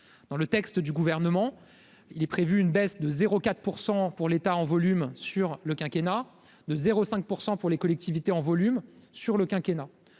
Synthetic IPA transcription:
d̪̥ɑ̃lət̪ɛkst̪d̪yɡuvɛʁnəmɑ̃ | ilɛpχevyːnbɛsd̪əzeʁokat̪χpuʁsɑ̃puʁlet̪aɑ̃vɔlymsyʁləkʲɛ̃kʲena | d̪əzeʁosɛ̃k̚puʁsɑ̃puʁlekɔlɛk̚t̪ivit̪eɑ̃vɔlymsyʁləkʲɛ̃kʲena

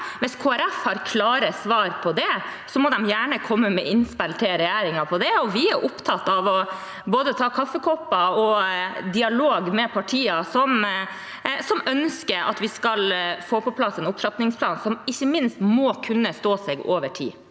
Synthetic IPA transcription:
ʋɪskʰoːæɾɛfhɑɾkʰlɑːɾəsʋɑːɾpʰɔd̪ɛsɔmɔd̪ɛmjæːɳəkʰɔmːəmɛʔɪnspælt̪ʰɪlɾɛjæːɾɪŋɑpʰɔd̪ɛɔʋɪæɾʔʊpt̪ʰɑt̪ːɑʋɔ | boːd̪ət̪ʰɑːkʰɑfːəkʰɔpːɑɔd̪ɪɑloːɡmɛpʰɑʈʰiːɑsɔm | sɔmœnskəɾɑ̰t̪ʋɪskɑlfoːpʰɔpʰlɑsːɛnʊpt̪ʰɾɑt̪nɪŋspʰlɑːnsɔmɪçːəmɪnst̪mɔːkʰʉnːəst̪oːsɛɡoːʋəʈʰḭː

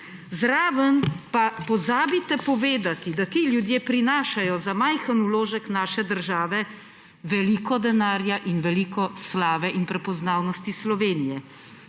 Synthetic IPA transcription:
zɾaːʋənpapɔzaːbit̪ɛpɔʋeːd̪at̪id̪at̪iljud̪jeːpɾinaːʃajɔzamajxənuloːʒəknaːʃɛd̪əɾʒaːʋɛ | ʋɛliːkɔd̪ɛnaːɾjaʔinʋɛliːkɔslaːʋɛʔinpɾɛpɔznaːwnɔst̪islɔʋeːnijɛ

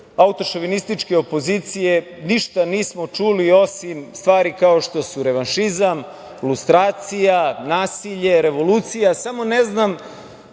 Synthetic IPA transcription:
aut̪o̞ʃoʋinist̪it͡ʃke̞opo̞zit̪sije̞ | niʃt̪aniːsmot͡ʃulio̞simst̪ʋaːɾikaoʃt̪o̞suɾe̞ʋanʃizam | lust̪ɾaːt̪sijanaːsiʎe̞ɾeʋo̞luːt̪sijasamo̞neznam

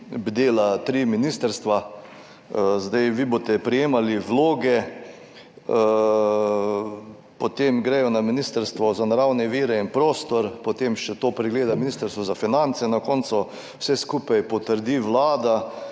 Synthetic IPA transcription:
bd̪eːlat̪ɾiːminist̪əɾst̪ʋa | zd̪ajʋibot̪ɛpɾijeːmaliʋloːɡɛ | pot̪emɡɾɛjɔnaminist̪əɾst̪ʋɔzanaɾawnɛʋiːɾɛinpɾoːst̪ɔɾpɔt̪emʃɛt̪oːpɾɛɡleːd̪aminist̪əɾst̪ʋɔzafinant̪sɛnakɔnt̪sʊ | wsɛskuːpajpɔt̪əɾd̪iːʋlaːd̪a

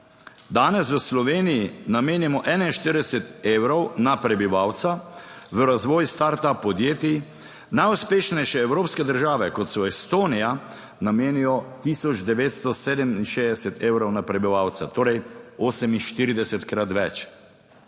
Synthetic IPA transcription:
d̪aːnɛsʋəslɔʋeːnijinameːnɛmɔʔɛnainʃt̪iɾd̪ɛsɛt̪ewɾɔwnapɾɛbiʋawt̪saʋəɾazʋɔːjst̪aːɾt̪apɔd̪jeːt̪i | najuspeːʃnɛjʃɛɛwɾoːpskɛd̪əɾʒaːʋɛkɔt̪sɔɛst̪oːnija | nameːnijɔt̪iːsɔd͡ʒd̪ɛʋeːt̪st̪ɔseːd̪ɛminʃeːd̪ɛsɛt̪eːwɾɔwnapɾɛbiʋaːwt̪sat̪oːɾɛjoːsɛminʃt̪iːɾid̪ɛsɛt̪kɾat̪ʋɛt͡ʃ

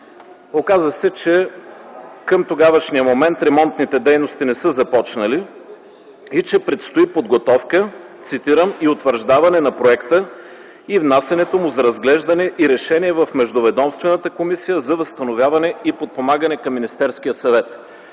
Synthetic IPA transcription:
okazəsɛt͡ʃɛ | kəmt̪oɡavəʃniəmomɛnt̪ɾɛmɔnt̪nit̪ɛd̪ɛjnost̪inɛsɤzɐpɔt͡ʃnɐli | it͡ʃɛpɾɛt̪st̪oipod̪ɡot̪ɔfkət̪sit̪iɾəmiot̪vəɾʒd̪avɐnɛnɐpɾoɛkt̪ə | ivnasɐnɛt̪omʊzɐɾɐzɡlɛʒd̪ɐnɛʔiɾɛʃɛniɛvɐfmɛʒd̪ovɛd̪ɔmst̪vɛnɐt̪əkomisijəzɐvɐst̪ɐnovʲjavɐnɛipot̪̚pomaɡənɛkɐmːinist̪ɛɾskijəsɐvɛt̪

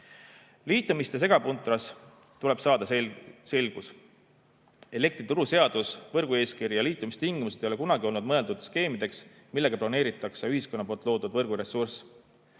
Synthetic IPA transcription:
liːt̪ːˑumist̪e̞s̬e̞ɡ̥ɑpunt̪ɾɑs | t̪ule̞b̥sɑːd̪̥ɑse̞lɡ̥us | e̞le̞k̚t̪rit̪uɾuse̞ɑd̪usvɤrɡ̥ue̞ːskiɾijɑliːt̪ːˑumist̪iŋɡ̥imused̪ejo̞le̞kunɑɡio̞lnud̪mɤe̞ld̪ud̪̥ske̞ːmid̪e̞ks | milːe̞ɡ̥ɑplɑne̞ːɾit̪ːˑɑkseyɦisko̞nːɑpo̞lt̪ˑlo̞ːd̪ud̪vɤrɡ̥uɾe̞sːurs

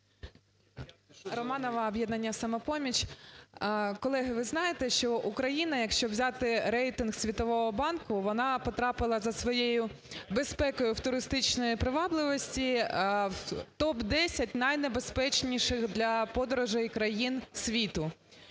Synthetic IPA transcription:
rɔmɑnɔʋɐːbʲjɛd̪nɐnʲːɐsɐmɐpɔmʲit͡ʃʲ | kɔlˠɛɦɪʋɪznɑjet̪ɛʃt͡ʃɔʔukɾɐjinɐjɐkʃt͡ʃɔʋzʲɑt̪ɪɾɛjt̪ɪnxsʲʋʲit̪ɔʋɔɦɔbɑnkʊʋɔnɑpɔt̪ɾɑpɪlˠɐzɐsʋɔjejʊ | bespɛkɔjʊwt̪ʊɾɪst̪ɪt͡ʃnɔjipɾɪʋɑblˠɪʋɔsʲtʲi | t̪ɔbd̪ɛsʲɐtʲnɐjnebespɛt͡ʃnʲiʃɪxd̪lʲɐpɔd̪ɔɾʊʒɛjkɾɐjinsʲʋʲit̪ʊ

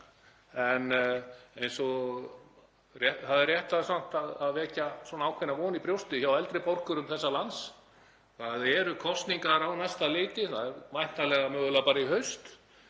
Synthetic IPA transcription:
ɛnejnsɔɣ | rɛθaðɛrːjɛht̪aðsan̥t̪aðaðvɛːcasɔːnaaːwkʰvɪnːavɔːnipɾjowst̪ʏçawɛlt̪ɾɪpor̥kʏɾʏmθɛsːalans | θaðɛɾʏkʰɔst̪niŋkaɾawnajst̪alɪːt̪ɪθaðɛɾvajn̥t̪alɛɣamœːɣʏlapaːɾaiɦœɥst̪

